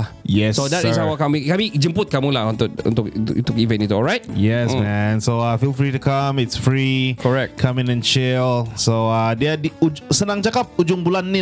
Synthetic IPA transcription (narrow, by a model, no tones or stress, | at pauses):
jɛssodɛtisawakamikamid͡ʒəmpʊt̪̚kamulahunt̪ʊk̚ṵnt̪ʊk̪t̪ʊkivɛ̃nit̪uɔlɹaɪt̚jɛsmɛ̃nsoafilfɹitukamɪtsfɹikʰɔɹɛk̚tkʰamɪ̃nɛ̃nt͡ʃɪlsoadiədiud͡ʒsənãŋt͡ʃakap̚ud͡ʒʊŋbulanːi